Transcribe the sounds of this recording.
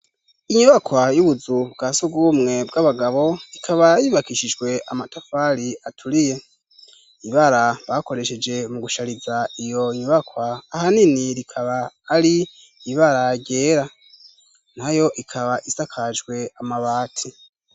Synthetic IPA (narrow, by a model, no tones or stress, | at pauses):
iɲuβakwajuβuzubɡasuɡɡumŋe̞bɡaβaɡaβo̞ikʰaβajiβakiʃid͡ʒɡwe̞amatʰafaɾiatʰuɾije̞ | iβaɾaβako̞ɾe̞ʃe̞d͡ʒe̞muɡuʃaɾizaijo̞ɲuβakwaːhaniniɾikʰaβaːɾiː | βaɾaɟe̞ːɾa | n̥ajo̞ʔikʰaβaʔisakʰad͡ʒɡwe̞amaβaːtʰi